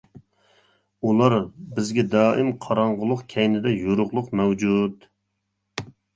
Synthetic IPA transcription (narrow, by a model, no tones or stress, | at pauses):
ulˠɑɾbɪzɡʲɛd̪ɑːʔɪmqʰɑɾɑɴʁʊlˠʊqkʲʰɛjnɪd̪ɛjoɾʊʁlˠʊqmɛwd͡ʒud̪